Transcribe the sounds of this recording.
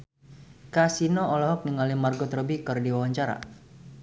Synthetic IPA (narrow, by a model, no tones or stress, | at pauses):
kasinɔɔlɔɦɔk̚niŋalimarɡɔt̪ərəbikɨrdiwawaɲt͡ʃaɾa̰